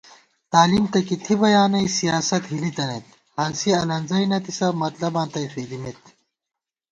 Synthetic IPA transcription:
t̪aːlimt̪ɐkit̪ʰibɐjaːnɐjsijaːsɐt̪ɦilit̪ɐnet̪ | hɐnsiɐlɐnzɐjnɐt̪isɐmɐt̪lɐbãːnt̪ɐjsiːd̪imet̪

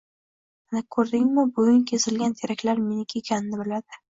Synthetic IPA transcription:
anakʰɵɾd̪ɪŋmɪbʊɡʲʊŋkʲʰe̞sɪlɡʲant̪ʰeɾakʲlaɾmenɪkʲʰekʲʰanɪnɪbɪlad̪ɪ

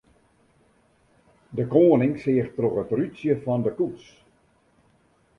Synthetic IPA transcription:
dəkoːnɪŋsɪəxtroχətrytsjəfɔndəkuts

